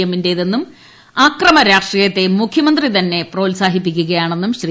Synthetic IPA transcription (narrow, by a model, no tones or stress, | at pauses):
ɐminde̞ðenːum | aːkrɐmɐɾaːʂrijɐt̪ːe̞mukʰjɐmɐnd̪rit̪ɐnːe̞pro̞ːlsaːɦipːikʲːuɣɐjaːɳe̞nːumɕri